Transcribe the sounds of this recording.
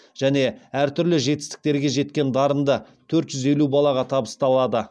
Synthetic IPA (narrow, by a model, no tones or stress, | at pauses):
ʒ̥æne̞æɾt̪ʰʏɾlɪʒe̞t̪ɪ̥st̪ɪ̥k̚t̪e̞ɾɡʲe̞ʒe̞t̪kʲe̞nd̪ɑɾənd̪ə | t̪ʰɵɾt̪ʒ̥ʏze̞lubɑlˠɑʁɑt̪ʰɑbəst̪ɑlˠɑd̪ə